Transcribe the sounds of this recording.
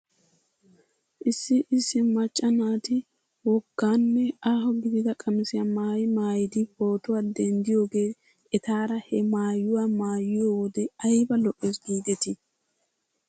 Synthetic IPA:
ʔɪsːɪʔɪsːɪmɐt͡ʃʼːɐnaːt̪ɪ | wɔɡːaːnːɛʔaːɦɔɡɪd̪ɪd̪ɐkʼɐmɪsɪjɐmaːjɪmaːjɪd̪ɪbo̞ːt̪ʊwad̪ɛnd̪ɪjo̞ːɡe̞ː | ɛt̪aːɾɐhɛmaːjːʊwamaːjɪjowɔd̪ɛɐjbɐlɔʔːeːsɡiːd̪ɛt̪ɪ

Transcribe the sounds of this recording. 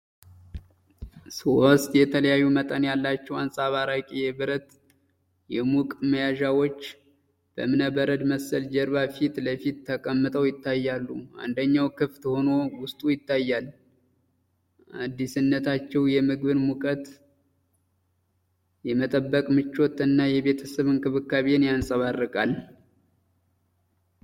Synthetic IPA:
sost̪jɛt̪ʰələjajːumət̪ʼənjalːat͡ʃːɛwansʼaβaɾakʼijɛbɨɾət̪ | jɛmukʼməjaʒawot͡ʃː | b̥ə̰mɨnəbəɾəd̪məsəld͡ʒɛɾβafit̪ləfit̪ːʰəkʼəmːɨt̪ʼəwjɪt̪ːajːalːua̰nd̪əɲːawkʰɨft̪ho̞no̞wʊst̪ʼujɪt̪ːajːal | ʔad̪ːisɨnːət̪ʰat͡ʃːɛwjɛmɨɡβɨnmukʼət̪ | jɛmət̪ʼəbːəkʼmɨt͡ʃːo̞t̪ʼːɨnːajɛβe̞t̪ʰəsəβɨnkʰʼɨβɨkːaβe̞njansʼəβarːɨkʼal

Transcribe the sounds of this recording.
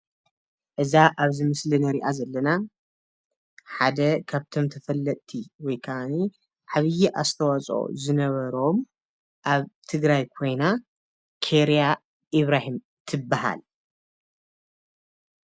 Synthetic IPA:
ʔɨzaʔaβzɨmɨslinɐɾiʔazɐlːɐna | ħad̪ɐkʰaβt̪ʰo̞mt̪ʰɐfɐlːɐt̪ʼt̪ʰiwɔjkʰaʔani | ʕaβɨjiʔa̰st̪ʰɐwat͡sʼʔo̰zɨnɐβɐɾo̞m | ʔaβt̪ʰɨɡɾajkʰo̞jna | kʰeɾija | ʔiβɾahim | t̪ʰɨbːaɦa̰l

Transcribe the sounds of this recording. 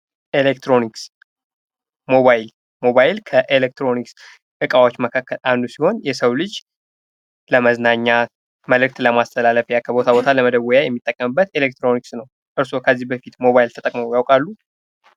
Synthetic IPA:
ʔelek̚t̪ɾo̞niks | mo̞βajl | mo̞βajɪlkʰəʔelek̚t̪ɾo̞niks | ʔɨkʼawot͡ʃːməkʰakʰːəlʔand̪usiho̞njɛsəwlɨd͡ʒ | ləməznaɲːa | məlɨk̚t̪ləmast̪ʰəlaləfjakʰəbo̞t̪ʰabo̞t̪ʰaləməd̪əwːɔjajɛmːit̪ʼːəkʼːəmɨbːət̪elek̚t̪ɾo̞niksnəw | ʔɨɾso̞kʰəzːihbəfit̪mo̞βajlt̪ʰət̪ʼəkʼməməwjawkʼalːu

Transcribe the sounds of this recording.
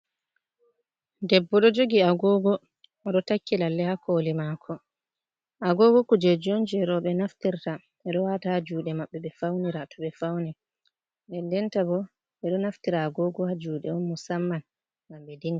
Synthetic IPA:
dɛbːɔɗɔd͡ʒoɡiaɡɔɡɔ | ɗɔtakːilalːɛhakʰolimakʰɔ | ʔaɡɔɡɔkud͡ʒɛd͡ʒond͡ʒɾɔɓɛnaftiɾta | ɛɗɔwatahad͡ʒuːɗɛmaɓːɛɓɛfawniɾatʰɔɓɛfawnɛ | dɛndɛntabɔ | ɛɗɔnaftiɾaːɡɔɡɔhad͡ʒuːɗɛɔnmusamːan | ŋɡamɓɛdiŋɡa

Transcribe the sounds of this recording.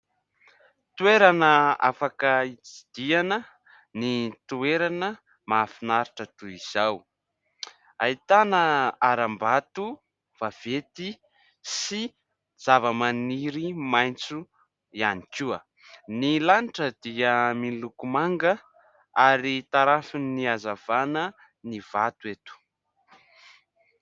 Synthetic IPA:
t̪ueɾanəa̰fakəit͡si̥d̪̥ianə | nit̪ueɾanə | mafinaɾiʈ͡ʂət̪uiz̥aw | a̰it̪anəaɾambat̪u | v̥av̥et̪i | si | d͡zavəmaniɾimajnt͡su | ianikuə | nilaniʈ͡ʂəd̪iəminlukumaŋɡə | aɾit̪aɾafiniazav̥anə | nivat̪uet̪u̥

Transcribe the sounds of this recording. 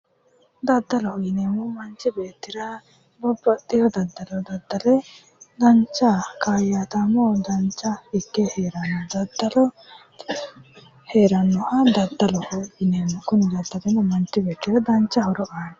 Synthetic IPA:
d̪ɐd̪ːɐlɔɡɪnemʊmɐnt͡ʃːɪbeːt̪ːɪɾɐ | bɔbːɔt̪ːɪjɔd̪ɐd̪ːɐlɔd̪ɐd̪ːɐlɛ | d̪ɐnt͡ʃːɐkaːjat̪ɐmɔd̪ɐnt͡ʃːɐɪkːeheːɾɐnːɔd̪ɐd̪ːɐlɔ | heːɾɐnːɔhɐd̪ɐd̪ːɐlɔʔɔɡɪneːmukʊnɪd̪ɐd̪ːɐlɛnʊmɐnt͡ʃːɪbeːt̪ːɪɾɐd̪ɐnt͡ʃːɐhɔɾɔʔaːnɛ

